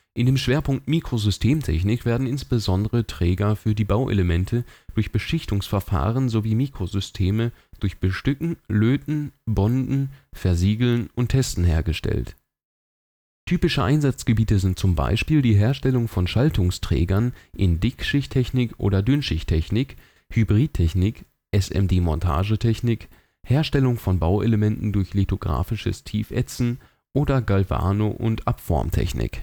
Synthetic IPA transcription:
ʔɪndeːmʃv̥eːɐpʊŋk̚tmiːkʁ̥ozʏstʰeːmtʰɛ̰çnɪkv̥eːɐdn̩ɪnsb̥əzɔndəʁətʁ̥ɛːɡɐfyːɐdiːbaʊʔḛləmɛntʰəd̥ʊɐçb̥əʃɪçtʊŋsfɛɐfa̰ːʁənzoviːmiːkʁ̥ozʏstʰeːməd̥ʊɐçb̥əʃtʏkŋ̩løːtn̩bɔndn̩fɛɐziːɡl̩nʔʊntʰːɛstn̩ɦeːɐɡəʃtɛ̰lt | tʰyːpɪʃəʔaɪnzat͡sɡ̥əbiːtəzɪnt̚t͡sʊmba̰ɪʃpiːldiːɦeːɐʃtɛlʊŋfɔnʃaltʊŋstʁ̥ɛ̰ːɡɐnʔɪndɪkʃɪçtʰɛçnɪkʔo̰ːɾɐdʏnʃɪçtʰɛçnɪk | hybʁiːt̚ʰɛçnɪk | ʔɛsɛ̰mdeːmɔntʰa̰ːʒətʰɛçnɪk | heːɐʃtɛlʊŋfɔnbaʊʔeləmɛntn̩dʊɐçletoɡʁa̰ːfɪʃə̰stʰiːfʔɛ̰t͡sn̩ | ʔoːdɐɡalva̰ːnoʔʊntʔapfɔ̰ɐmtʰɛ̰çnɪ̰k

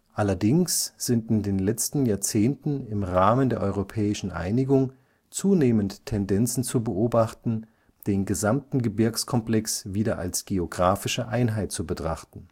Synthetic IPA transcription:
ʔalɐdɪŋsz̥ɪntɪndeːnlɛt͡stn̩jaːɐt͡seːntn̩ɪmʁaːməndeːɐʔɔʏʁopʰɛːɪʃn̩ʔa̰ɪnɪɡʊŋ | t͡suːneːməntʰːɛndɛnt͡sn̩t͡subəʔoːbaχtn̩ | d̥eːnɡəzamtn̩ɡəbɪɐkskʰɔmplɛksviːdɐʔa̰lsɡ̥eoɡʁaːfɪʃəʔaɪnɦaɪt̚t͡subətʁ̥aχtn̩

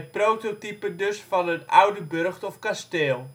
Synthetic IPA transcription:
ət̚prowtotipədɵsfɑnətʌwdəbørχtɔfkasteːlˠ

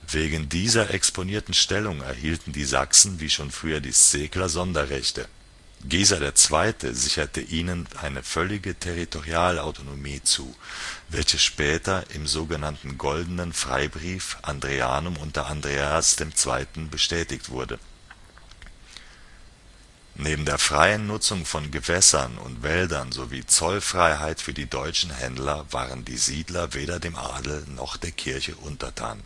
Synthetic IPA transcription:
veːɡŋn̩diːzɐʔɛksponiːɐtn̩ʃtɛlʊŋɛ̰ɐhiːltn̩diːza̰ksn̩viːʃoːnfʁ̥yːɐdḭːst͡seːklɐzɔndɐʁɛçtə | ɡ̥iːzɐɾeːɐt͡sv̥aɪtʰə̰zɪçɐtəʔiːnənʔaɪnəfœlɪɡətʰeʁitʰoʁiaːlaʊtonomiːt͡suːvɛlçəʃpɛːtɐʔɪmzoːɡənantn̩ɡɔldənənfʁ̥a̰ɪbʁiːfʔandʁea̰ːnʊmʊntdɐʔandʁeːasd̥eːmt͡sv̥a̰ɪtn̩bəʃtɛːtɪktv̥ʊɐdə | neːbm̩deːɐfʁ̥aɪənːʊt͡sʊŋfɔnɡəvɛsɐnʊ̰ntv̥ɛldɐnzoviːt͡sɔlfʁ̥aɪɦaɪtfyːɐdiːdɔʏt͡ʃn̩ɦɛndlɐva̰ːʁəndḭːziːdlɐveːɾɐdeːmʔa̰ːdl̩nɔ̰χd̥eːɐkʰɪɐçəʔʊntɐtʰa̰ːn

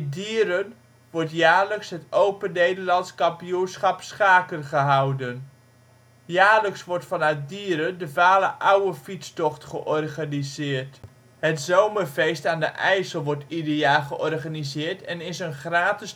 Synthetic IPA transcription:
diːɾən | ʋɔɹtjaːɹləksɦətowpənːejdərlɑnskɑmpijunsχɑpsχaːkənχəɦʌwdən | jaːɹləksʋɔɹtfɑnœɥt̚diːəɾəndəvaːləʔawəfit͡stɔχtχəʔɔrχanizɪːrt | ɦətzowmərfejstaːndə̰ʔɛjsəlˠʋɔɹtideaːχəʔɔrχanizɪːɹtɛnɪsənχraːtɪs

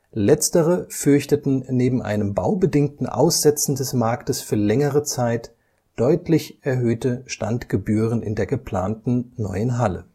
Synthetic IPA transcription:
lɛt͡stəʁəfʏɐçtətn̩neːbm̩ʔa̰ɪnəmba̰ʊbədɪŋtn̩ʔa̰ʊsz̥ɛt͡sn̩dɛsmaɐktəsfyːɐlɛŋəʁət͡saɪt | d̥ɔʏtlɪçʔɛɐɦøːtəʃtantɡ̥əbyːʁ̞ənɪ̰ndeːɐɡəpl̥a̰ːntn̩nɔ̰ʏənɦalə̰

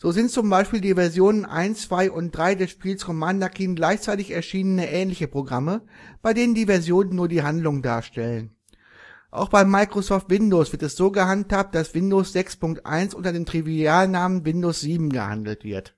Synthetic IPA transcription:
z̥oːzɪnt̚t͡sʊmbaɪʃpiːldiːvɛɐzjoːnənʔa̰ɪnst͡sv̥aɪʔʊnt̚d̥ʁaɪdɛsʃpiːlskʰɔmandɐkʰiːnɡlaɪçt͡saɪtɪçɛɐʃiːnənəʔɛːnlɪçəpʁ̥oɡʁaməb̥aɪdeːnəndiːvɛɐzjoːnənːuːɐdiːɦandlʊŋnda̰ːɐʃtɛlən | ʔa̰ʊxb̥aɪmaɪkʁ̥osɔːftv̥ɪndoːsv̥ɪɐtɛsz̥oːɡəhanthaːp̚t̚d̥asv̥ɪndoːsz̥ɛkspʊŋk̚tʔa̰ɪnsʔʊntɐdeːmtʁ̥iviaːlnaːmənvɪndoːsz̥iːbm̩ɡə̰ha̰ndl̩tv̥ɪ̰ɐt

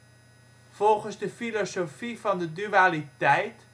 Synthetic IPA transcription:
vɔlˠχənzdəfilosofivɑndədyalitɛjt

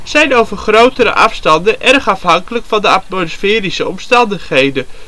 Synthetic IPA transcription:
z̥ɛjnowvərχrowtəɾə̰ʔɑfstɑndənʔɛrχɑfɦɑŋkələkfɑndəɑt̚mosfɪːrisəɔmstɑndəχɦejdə

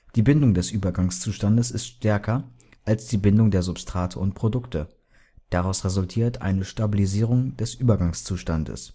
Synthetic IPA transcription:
d̥iːbɪndʊŋdɛsʔyːbɐɡaŋst͡suːʃtandəsɪstʃtɛɐkʰɐ | ʔalsd̥iːbɪndʊŋdeːɐzʊpstʁ̥aːtʰəʊntpʁ̥odʊktʰə | d̥aʁaʊsʁezʊltʰiːɐtʔa̰ɪnəʃtabiliziːʁ̞ʊŋd̥ɛsʔyːbɐɡaŋst͡suːʃtandə̰s

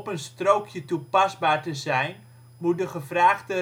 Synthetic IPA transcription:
pənstrowkʰjətupazbaːrtəzɛjn | mut̚dəχəvraːχtə

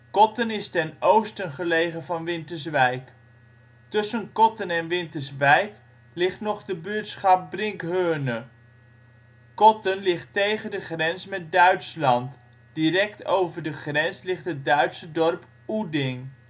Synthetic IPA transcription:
kɔtənɪstɛnowstənχəlejχənvɑnʋɪntəɹsʋɛjk | tɵsənkɔtənɛnʋɪntəɹsʋɛjk | lɪχtnɔχdəbyːɹtsχɑp̚brɪŋkɦøːnə | kɔtənlɪχtejχəndəχrɛnsmɛt̚dœɥtslɑnt | d̥irɛktowvəɹdəχrɛnslɪχtɦət̚dœɥtsədɔrp | udɪŋ

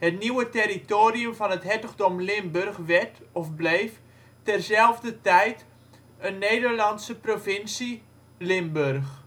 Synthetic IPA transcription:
hətniwəteɾitoːɾiəmfɔnətɦɛtəɣdɔmlɪmbørxʋɛtɔfblejf | tɛrzɛlˠvdətɛjt | ənːeːdərlɑnsəprofɪnsi | lɪmbørx

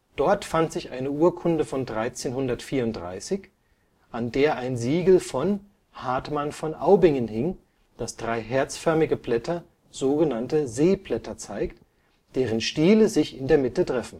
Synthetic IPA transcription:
d̥ɔɐtfantz̥ɪçʔa̰ɪnəʔuːɐkʰʊndəfɔndʁaɪt͡seːnhʊndɐtfiːɐʊnt̚d̥ʁa̰ɪsɪç | ʔandeːɐʔaɪnziːɡl̩fɔn | haɐtmanfɔnʔa̰ʊbɪŋənhɪŋ | d̥asd̥ʁaɪɦɛɐt͡sfœɐmɪɡəpl̥ɛtʰɐ | z̥oːɡənantəzeːplɛtɐt͡saɪkt | d̥eːʁ̞ənʃtiːləzɪçɪndeːɐmɪtətʁ̥ɛfn̩

